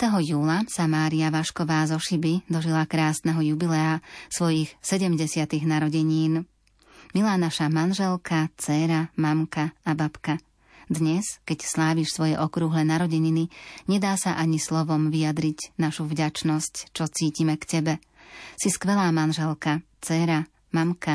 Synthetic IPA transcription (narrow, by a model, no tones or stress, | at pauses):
t̪ɛɦɔjuːlasamaːɾiaʋaʃkɔʋaːzɔʃibid̪ɔʒilakɾaːsnɛɦɔjubilɛasʋɔjixsɛɟɛmɟɛsɪat̪iɣnaɾɔɟɛɲiːn | milaːnaʃamanʒɛlkat͡sɛɾamamkaabapka | d̪ɲɛskɛcslaːʋiːʃsʋɔjɛʔɔkɾuɦlɛnaɾɔɟɛɲiniɲɛd̪aːsaʔaɲislɔʋɔmʋijad̪ɾicnaʃuvɟat͡ʃnɔsct͡ʃɔt͡siːcimɛkcɛbɛ | siskʋɛlaːmanʒɛlˠka | t͡sɛɾa | mamka